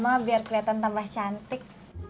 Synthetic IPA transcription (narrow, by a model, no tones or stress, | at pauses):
mabiarkɾiat̪ant̪ambaht͡ʃant̪ɪk̚